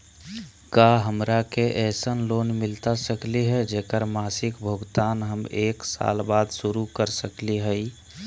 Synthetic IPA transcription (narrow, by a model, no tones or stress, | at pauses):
kaɦəmɾakeʔɛsənlonmilt̪asəkliɦɛd͡ʒekəɾmasɪkbʱəɡt̪anɦəmeːksa̰lbad̪ʱsuɾukəɾsəkliɦəi